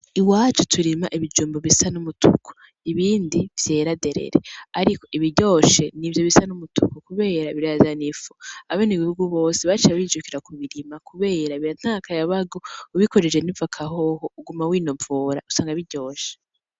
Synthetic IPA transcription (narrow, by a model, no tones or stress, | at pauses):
iwaːt͡ʃutʰuɾimaʔiβid͡ʒuːmboβisanumutṵkʰo̥ | iβiːndiv̥je̞ːɾade̞ɾe̞̰ɾe̞̰aɾikoʔiβiɾɟo̞ːʃe̞nivjo̞βisanumutṵkokuβe̞ːɾaβiɾeazanifu̥aβeniβihuɡuβo̞ːseβat͡ʃiβaβid͡ʒukiɾakuβiɾimakuβe̞ːɾaβiɾan̥akʰajaβaɡo̞uβikoɾed͡ʒe̞nivakʰaɦohouɡumawiːno̞voːɾa̰usaːŋɡaiβiɟo̞ːʃe̥